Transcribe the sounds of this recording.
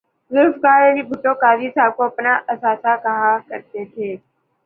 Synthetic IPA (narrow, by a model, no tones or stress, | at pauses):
zʊɾfkaːɾeɦibʱʊʈõkaːzisaːb̚koɐpnaʔɐsaːsakɐɦãkəɾt̪et̪ʰeː